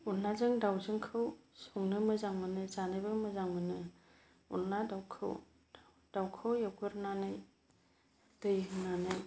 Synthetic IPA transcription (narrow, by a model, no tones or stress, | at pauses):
unːazɯŋdawzɯŋkʰɯwsɔŋnɯmɯzaŋmɯnɯzanɯjbɯmɯzaŋmɯnɯ | ṵnladawkʰɯ̰w | d̥awkʰɯwjaɡɯɾnanɯj | dɯjnanɯj